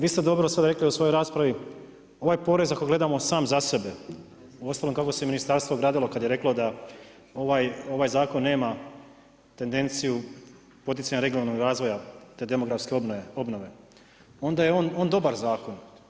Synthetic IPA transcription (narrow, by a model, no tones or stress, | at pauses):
ʋiːst̪e̞d̪o̞bɾosad̪aɾe̞kliusʋo̞jo̞jɾaːspɾaʋi | o̞ʋaːjpo̞ɾe̞zako̞jɡle̞d̪amo̞saːmzase̞be | uo̞st̪alo̞mkako̞se̞minist̪aɾst̪ʋoɡɾaːd̪ilo̞kad̪jeɾe̞klo̞d̪a | o̞ʋajo̞ʋaːjzaːko̞nːe̞ːma | t̪end̪e̞nt̪siju | po̞t̪̬it̪saɲaɾe̞ɡionalnoɡɾaːzʋo̞jat̪ed̪e̞moɡɾafskeo̞bno̞ʋe̞ | o̞nd̪ajeono̞ːnd̪o̞baɾzaːko̞n